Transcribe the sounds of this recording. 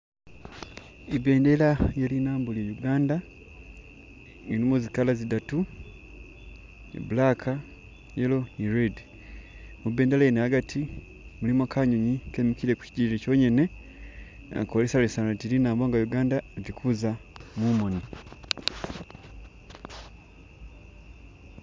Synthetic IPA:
ibe̞ːndelajelinaːmbulejuɡaːnda | enimuzikalazidatu | ḭbulakʰa | jelo̞niɾedi | mube̞ːndelajenehaɡatʰi | mulimakʰaɲoɲikeːmikiɾe̞ku̥ci̥ɟiɾeco̞ɲene̞ | a̰kolesalesanatilinaːmbo̞ːŋɡajuɡaːndaevikʰuzamumoni

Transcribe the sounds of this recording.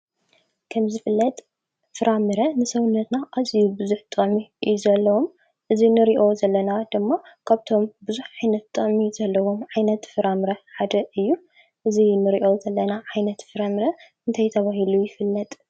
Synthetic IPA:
kʰɐmzɨfɨlːɐt̪ʼ | fɨɾamɨɾɐnɨsɐwʊnːɐt̪naʔazijubɨzuħt̪ʼɐmijzɐlːɐwom | ʔɨzinɨɾiʔo̞zɐlːɐnad̪ɨmːakʰaβt̪ʰo̞mbɨzuħʕajnɐt̪t̪ʼːɐʔʼmiz̥ɐlːɐwomʕajnɐt̪fɨɾamɨɾɐħad̪ɐʔɨjːu | ʔɨzinɨɾiʔowzɐlːɐnaʕajnɐt̪fɨɾamɾɐ | ɨnt̪ʰajt̪ʰɐβaɦilujɪfɨlːɐt̪ʼ

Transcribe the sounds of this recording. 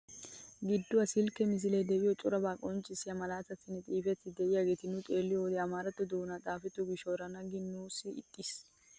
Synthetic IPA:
ɡɪd̪ːʊɐsɪlkɛmɪs̬ɪlɛd̪ɛʔɪjɔt̪ʼʊɾɐbaːkʼɔnt͡ʃʼːɪsɪɐmɐlaːt̪ɐt̪ːɪnːɪt̪ʼiːfɛt̪ːɪd̪ɛʔɪjaɡeːt̪ɪnʊt̪ʼeːlːɪjɔwd̪ɛɐmaːɾɐt̪ːɔd̪oːnat̪ʼaːfɛt̪ːʊɡɪʃoːɾɐnɐɡɪnːuːsɪɪ̰t̪ʼːɪs

